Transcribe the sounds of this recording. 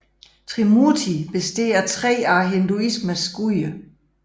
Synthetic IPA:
t͡sʰʁimut͡sʰib̥e̝sd̥e̝̰ːɐt͡sʰʁɛ̰ːɑːɦe̝nd̥uismæsɡ̥uə

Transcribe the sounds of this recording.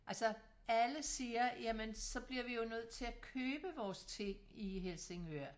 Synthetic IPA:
ʔælsɒ | ʔæləsiːɐjæmənsɒ̽b̥liɐʋijo̝nøð̞̰ˠt͡sʰe̝ækʰøːb̥əʋɒːst͡sʰe̝ŋ̰iɦelse̝ŋøɐ

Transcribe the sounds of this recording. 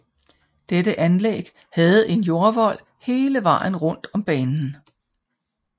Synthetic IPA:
d̥edəʔænlḛɡ̥ | hɛð̞̩ˠe̝njo̝ɐʋɒ̽l̰ | he̝ːləʋɑ̰̈ːn̩ʁɔ̽n̰d̥ɒ̽mb̥ɛːnn̩

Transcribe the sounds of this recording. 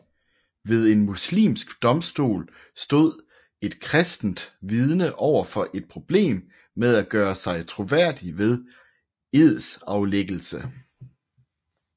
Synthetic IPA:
ʋe̝ð̞ˠe̝nmuslḭːmsɡ̥d̥ɒ̽msd̥o̝̰ːl | sd̥o̝ð̞̰ˠ | e̝d̥kʰʁɛsd̥n̩d̥ʋið̞ˠnəʔɒʊ̰ɐfɒ̽ʔe̝d̥̚pʰʁo̝b̥le̝̰ːmː | eð̞ˠæɡ̥ɶːɐsɑ̈ɪt͡sʰʁo̝ʋæɐ̰d̥iʋe̝ð̞ˠ | e̝ð̰ˠsɑ̈ʊleɡ̥l̩sə

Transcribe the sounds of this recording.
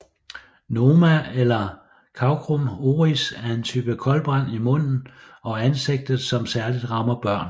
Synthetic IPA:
no̝ːmæelɐ | kʰɑ̈ʊkʰʁomo̝ːʁisæɐe̝nt͡sʰyːb̥əkʰɒ̽lb̥ʁɑ̈n̰imɔ̽n̰n̩ | ɒ̽ænse̝ɡ̥̚d̥ð̩ˠsɒ̽msæɐlid̥ʁɑ̈mɐb̥ɶɐ̰n

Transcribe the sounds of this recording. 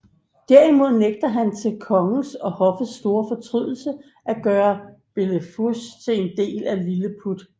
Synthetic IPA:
d̥æɐ̰imo̝ð̞̰ˠneɡ̥̚d̥ɐɦænt͡sʰe̝lkʰɒ̽ŋ̩sɒ̽hɒ̽fəðsd̥o̝ːɐfɒ̽t͡sʰʁy̰ð̰ˠl̩sə | ʔæɡ̥ɶːɐb̥e̝ləfust͡sʰe̝e̝nd̥e̝̰ːlæliləpʰud̥

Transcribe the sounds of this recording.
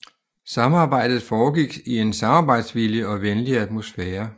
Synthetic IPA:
sɑ̈mɑ̈ːb̥ɑ̈ɪ̰d̥ð̩ˠfɒːɡ̥iɡ̥ie̝nsɑ̈mɑ̈ːb̥ɑ̈ɪ̰d̥sʋiljəɒ̽ʋenliæd̥mo̝sfɛːɐ

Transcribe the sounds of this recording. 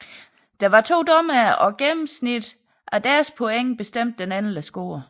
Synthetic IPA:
d̥ɑ̈ʋɑ̈t͡sʰo̝̰ːd̥ɒ̽mæɒ̽ɡ̥emm̩snid̥ | ʔæd̥æɐspʰoeŋ̰b̥e̝sd̥em̰d̥ːenæn̩læsɡ̥o̝̰ːɐ

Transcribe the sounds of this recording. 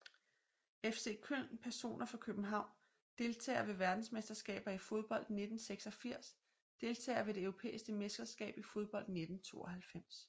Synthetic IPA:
efse̝ːkʰøl̰npʰæɐso̝̰ːnʔɐfʁɑ̈kʰøb̥n̩ɦɑ̈ʊ̰n | d̥e̝lt͡sʰɛ̰ːɐʋe̝ʋæɐd̥n̩smesd̥ɐsɡ̥ɛ̰ːb̥ɐifo̝ð̞ˠb̥ɒ̽l̰d̥ne̝d̥n̩seɡ̥sɒ̽fiɐ̰s | d̥e̝lt͡sʰɛ̰ːɪɐʋe̝d̥e̝øʊʁo̝pʰḛːisɡ̥əmesɡ̥ɐsɡ̥ɛ̰ːb̥ifo̝ð̞ˠb̥ɒ̽l̰d̥ne̝d̥n̩t͡sʰo̝̰ːɒhælfem̰s

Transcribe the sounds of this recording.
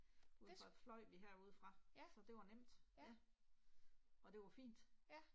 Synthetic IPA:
uðˠʁɑ̈flɒ̽ɪ̰ʋiɦeɐ̰uːð̰ˠfʁɑ̈sɒ̽d̥e̝ʋɑ̈nem̰d̥æ | ɒ̽d̥e̝ʋɑ̈fḭːnd̥

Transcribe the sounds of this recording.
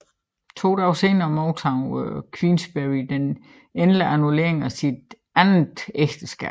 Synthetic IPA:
t͡sʰo̝̰ːd̥ɑʊseːnɐmɒʊt͡sʰɑʊkʰʋinsb̥eʁid̥en | enləʔænule̝ɐe̝ŋæsid̥ | æn̩d̥eɡ̥d̥əsɡ̥ɛ̰̥ː

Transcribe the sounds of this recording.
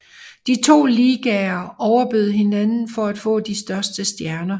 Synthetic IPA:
d̥it͡sʰo̝̰ːliːɡ̥ɛɐɒʊɐb̥øð̞̩ˠɦe̝nænn̩fɒ̽æd̥fɔ̰̽ːd̥isd̥ɶɐsd̥əsd̥jæɐnɐ

